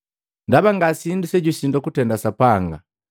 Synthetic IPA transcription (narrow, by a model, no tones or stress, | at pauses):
ndaβaŋɡasindusɛɟusindɔkutɛndasapaŋɡa